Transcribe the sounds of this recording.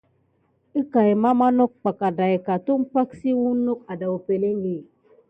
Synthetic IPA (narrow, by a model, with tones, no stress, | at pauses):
i˦ka˨e˨ma˦ma˦no˦k̚k͡pa˨ka˨da˨e˨ka˨tu˦m̩˦pa˦ksi˦wu˦no˦k̚a˨da˨u˨pe˨le˦ŋ˦ɡi˨